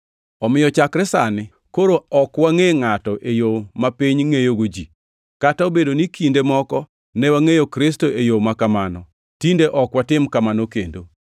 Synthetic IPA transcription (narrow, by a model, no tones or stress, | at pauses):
ɔmɪjɔt͡ʃakɾɛsanɪ | koɾoɔkwaŋeŋatɔʔejomapiɲŋejoɡod͡ʒḭ | kataobedonikindemɔkɔ | nɛwaŋejokɾɪstoʔejomakamanɔ | tindeʔɔkwatɪmkamanokendo